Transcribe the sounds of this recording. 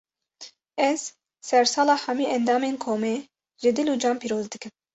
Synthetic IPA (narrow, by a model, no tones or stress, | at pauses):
ɛz̥ | sɛɾsɑːlɑːħæmiːʔɛnd̪ɑːmeːnkʰoːmeː | ʒɨd̪ɨluːd͡ʒɑːmpiːɾoːzd̪ɨkɨm